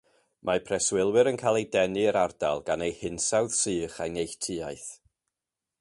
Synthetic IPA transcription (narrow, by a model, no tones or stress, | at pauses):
mʔapʰrɛswɪlˠwɨɾənkʰaːlˠejdɛnɨəɾarda̰lˠɡanejhɪnsawð̥sɨːχajnejɬtʰɨajθ